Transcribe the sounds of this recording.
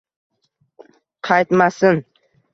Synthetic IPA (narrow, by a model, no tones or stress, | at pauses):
qʰɑjt̪masɪn